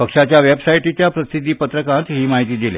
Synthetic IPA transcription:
pəkʂat͡ɕjaʋebsaiʈit͡ɕjapɾəsid̪ʱːiːpət̪ɾəkãt̪ɦiːmaɦit̪iːd̪ilḛ

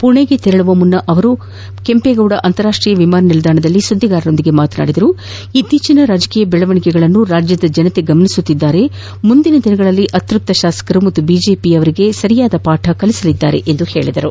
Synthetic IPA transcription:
puɳeɡe̞t̪iɾɐɭuʋɐmunːɐʔɐʋɐɾu | ke̞mpeɡɐwɽɐʔɐnt̪ɐɾaːʂʈɾiːjɐʋimaːnɐnilɐd̪ʱaːɳɐd̪ɐlːisunːiɡaːɾɐno̞nd̪iɡe̞maːt̪ɐna̰ːɽid̪ɐɾu | it̪ːiːt͡ʃinɐɾaːd͡ʒɐkiːjɐbɛɭɐʋɐɳikɛɡɐɭɐnːuɾaːd͡ʒjɐd̪ɐd͡ʒɐnɐt̪e̞ɡɐmɐnisut̪ːid̪ːaːɾe̞ | mund̪inɐd̪inɐɡɐɭɐlːiʔɐt̪ɾup̚t̪ːɐʃaːsɐ̥kɐɾumɐt̪ːubiːd͡ʒe̞ːpiɐʋɐɾiɡe̞sɐɾijaːd̪ɐpaːʈʰɐkɐlisɐlid̪ːaːɾe̞̰ʔend̪uhe̞ːɭid̪ɐɾu

